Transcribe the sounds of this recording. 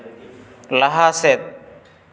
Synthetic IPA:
lɐɦaːset̪̚

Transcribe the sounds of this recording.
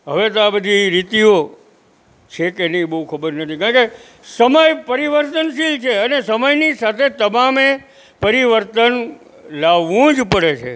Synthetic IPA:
ɦəʋet̪oabəd̪ʱiɾit̪io | t͡ʃʰekenibəɦukʰəbəɾnət̪ʰĩkãɾke | səməjpəɾiʋəɾt̪ənʃilt͡ʃʰeənesəməjnisat̪ʰet̪əmame | pəɾiʋəɾt̪ən | laʋːũd͡ʒpəɽet͡ʃʰḛ

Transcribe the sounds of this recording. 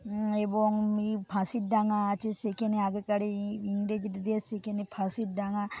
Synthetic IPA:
eboŋmipʰasiʈ̚ɖaŋaːt͡ʃʰesekeneaɡekaɽeiŋɖed͡ʒit̪d̪esekenepʰasiʈ̚ɖaŋa

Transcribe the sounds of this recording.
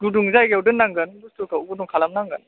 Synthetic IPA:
ɡuduŋzajɡewdɯnːaŋɡɯnɡustukauɡuduŋkʰalamnaŋɡɯn

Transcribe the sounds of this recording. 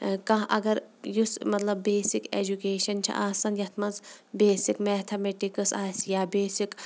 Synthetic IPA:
kɐ̃ɦʔɐ̰ɡɐɾjusmɐt̪lɐbːeːsiked͡ʒukeːʃɐnt͡ʃʰɐ̰ʔaːsɐnjɐt̪ʰmɐnzbeːsikmeːt̪ʰɐmeʈikɨsaːsjaːbeːsik

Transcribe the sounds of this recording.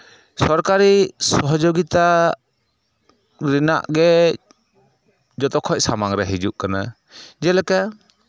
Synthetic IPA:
sɔɾkaɾisɔɦɔd͡ʒoɡit̪a | ɾɛna̰ʔɡɛ | d͡ʒɔt̪ɔkʰɔc̚samaŋɾɛɦid͡ʒuʔkana̰ | d͡ʒɛlɛka

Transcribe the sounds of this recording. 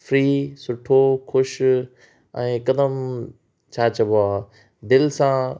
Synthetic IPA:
fɾiːsʊʈʰoxʊʃ | ɛ̃ːkɐd̪əm | t͡ɕʰaːt͡ɕɐboaː | d̪ɪlsã

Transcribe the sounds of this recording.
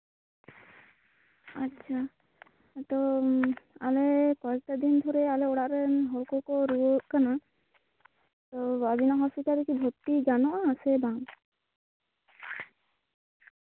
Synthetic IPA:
atːt͡ʃʰa | t̪ɔ | alɛkɔɛk̚ʈad̪ind̪ʱɔɾɛalɛɔɽaʔɾɛɦɔlkɔkɔɾuɔʔ̚kana | t̪ɔabinaɦɔspit̪aɾɛkibʱɔt̪ːiɡanɔʔaasɛbaŋ

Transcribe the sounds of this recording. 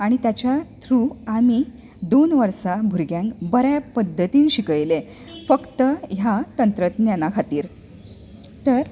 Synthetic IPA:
aɽ̃it̪jat͡ɕjat̪ʰɾuːamiː | d̪onʋəɾsabʱuɾɡjãŋkbəɾjapəd̪ʱːət̪iːnɕikəjle | fəkt̪əɦjat̪ənt̪ɾət̪njanakʰat̪iːɾ | t̪əɾ

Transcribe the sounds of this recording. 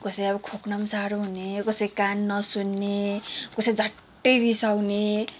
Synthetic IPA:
kʌsʌjʌbʌkʰoknʌmsaɾoɦunekʌsʌjkanːʌsunːekʌsʌjd͡zʱʌʈːʌjɾisawne

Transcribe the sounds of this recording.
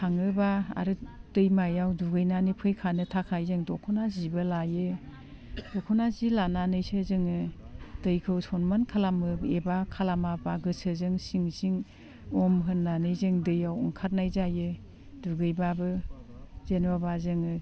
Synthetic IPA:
hʰaŋɯbaa̰ɾɯd̥ɯjmajawduɡɯjnanipʰɯjkʰanɯtʰakʰajzɯŋdɔkʰɔnazibɯlajɯ | dɔkʰɔnazilananɯjsɯzɯŋɯd̥ɯjkʰɯwsɔnmankʰalamɯbebakʰalamabaɡɯsɯzɯŋsiŋsiŋ | ɔmɦɯnːanɯjzɯŋdɯjawɔ̰ŋkʰaɾnajzajɯ | duɡɯjbabɯ | z̥enwabazɯŋɯ

